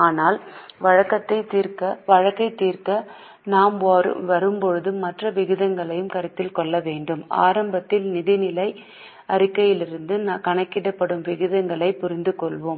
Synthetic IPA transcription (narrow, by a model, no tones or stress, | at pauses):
aːnaːlʋɐɻɐkːɐt̪ːɐɪt̪ːiːɾkɐʋɐɻɐkːɐɪt̪ːiːrkɐ | naːmʋɔɾɯ̰ʋɐɾɯmpɔɻɯðɯmɐʈrɐʋɪɣɯðɐŋɡɐɭɐjɯmkɐɾɯt̪ːɪlkɔɭːɐʋeːɳɖɯma̰ːɾɐmbɐt̪ːɪlnɪðɪnɪlɐɪ | ɐɾɪkːɐjɪlɪɾɯnd̪ɯnkɐɳɐkːɪɽɐpːɐɽɯmʋɪɣɯðɐŋɡɐɭɐɪpːʊɾɪnd̪ɯkɔɭʋoːm